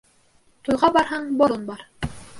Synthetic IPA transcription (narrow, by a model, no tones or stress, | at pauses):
t̪ujʁɑbɑɾɦɑɴboɾonbɑɾ